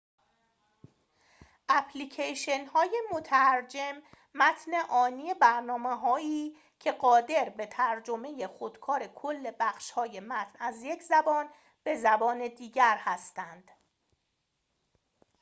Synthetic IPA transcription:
ʔæpʰlicʰeʃenhɒːje̞mot̪ʰæɾd͡ʒe̞mː | æt̪ʰneʔɒːniːe̞bæɾnɒːmeɦɒːiː | cʰe̞ɢɒːd̪e̞ɾbe̞t̪ʰæɾd͡ʒome̞je̞xod̪̥kʰɒːɾe̞kʰolːe̞bæxʃhɒːje̞mæt̪ʰnæzje̞cʰzæbɒːn | b̥e̞zæbɒːne̞d̪iːɟæɾhæst̪ænd̪̥

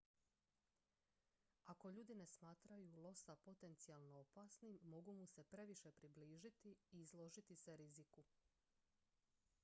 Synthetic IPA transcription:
ako̞ʎuːd̪ine̞smaːt̪ɾajulˠo̞sapo̞t̪e̞nt̪sialˠno̞opasnimːo̞ɡumuse̞pɾe̞ʋiʃe̞pɾibliːʒit̪iiːzlˠo̞ʒit̪iseɾiziku

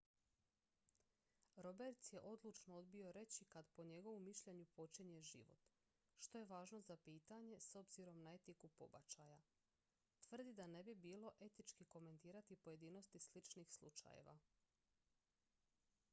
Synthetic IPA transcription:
ɾo̞beɾt̪sje̞ʔo̞d̪lˠut͡ʃnood̪bio̞ɾe̞t͡ɕikad̪po̞ɲe̞ɡo̞ʋomːiʃʎe̞ɲupo̞t͡ɕiɲe̞ʒḭʋo̞̰t̪ | ʃt̪o̞je̞ʋaːʒno̞zapiːt̪aɲe̞so̞bz̥iɾo̞mnae̞t̪ikupo̞̰ba̰t͡ʃaja | t̪ʋr̩d̪id̪ane̞bibiːlˠo̞ʔe̞t̪it͡ʃkiko̞me̞nt̪iːɾat̪ipoje̞d̪iːno̞st̪islit͡ʃniːxslˠṵt͡ʃa̰jḛʋa̰

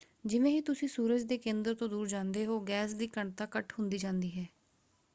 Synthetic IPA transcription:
d͡ʒɪʋẽːɦiːt̪ʊsĩːsuːɾəd͡ʒd̪eːkẽːnd̪əɾt̪õːd̪uːɾd͡ʒãːnd̪eːɦoːɡɛːsd̪iːkəɳt̪aːkəʈhʊnd̪iːd͡ʒãːnd̪iːɦɛː

